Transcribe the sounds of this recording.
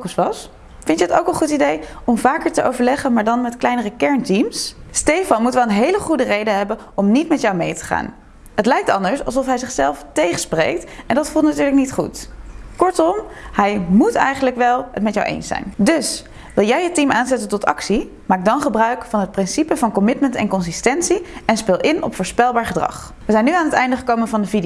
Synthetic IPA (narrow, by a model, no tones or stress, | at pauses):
kəsʋɑs | fɪntəəto̰wkənχutidejɔmvaːkəɹtəʔo̰wvəɹlɛχənmaːɹdɑnmɛtklɛjnərəkɛɹntimsstejfɑnmutʋɛlˠənɦejləχudərejdəɦɛbən | ɔmnitmɛtjawmejtə̥χa̰ːn | hətlɛjk̚tɑndəɹsɑ̰lˠsɔfɦɛjzɪχsɛlˠftejχəsprḛjk̚tɛndɑtfulˠtnatyːɹləknitχṵtkɔɹtɔmhɛjmutɛ̰jχənləkʋɛlˠɦə̰tmɛtjawʔḛjnsɛ̰jndɵs | ʋɪlˠjɛjɦətimaːnzɛtəntɔtɑ̰ksi | maːk̚dɑnχəbrœɥkfɑnɦət̚prɪnsipəvɑnkɔmɪtməntɛ̰nkɔns̬istɛntsiɛnspɪlˠʔɪnʔɔ̰pfʊːɹspɛlˠbaːɹχədrɑ̰χ | ʋəzɛjnːyaːnɦətɛ̰jndəχəkowmənvɑndəvid